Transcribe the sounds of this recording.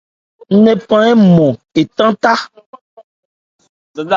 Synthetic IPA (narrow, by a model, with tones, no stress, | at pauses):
n̩˦nẽ˨pã˦ɛ˦mɔ̃˨e˨t̪ã˦t̪a˦